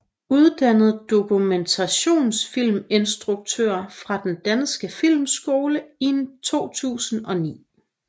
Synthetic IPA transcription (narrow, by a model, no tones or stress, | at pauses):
uð̞ˠd̥ænð̞̩ˠd̥o̝kʰument͡sʰæɕo̝̰ːnsfil̰me̝nsd̥ʁuɡ̥̚t͡sʰø̰ɐfʁɑ̈d̥end̥ænsɡ̥əfil̰msɡ̥o̝ːləint͡sʰo̝̰ːt͡sʰṵːsn̩ɒ̽nḭː